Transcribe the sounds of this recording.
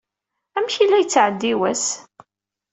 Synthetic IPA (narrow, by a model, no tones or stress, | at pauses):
æmçilːæjət͡sːʕəd̪ːiwæs